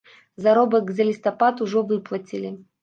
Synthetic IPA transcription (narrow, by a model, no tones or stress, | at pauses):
zaɾɔbɐkzʲɐlʲɪst̪ɐpat̪ʊʐɔvɨplˠɐt͡sʲilʲɪ